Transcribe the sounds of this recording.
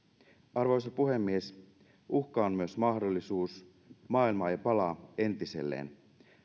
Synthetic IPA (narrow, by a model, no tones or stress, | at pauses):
ɑrʋojs̬ɑpuɦe̞mːies | uxkɑommyøsmɑxdo̞lːisuːs | mɑːilmɑːjɑpɑlɑe̞nt̪ise̞̰lːḛːn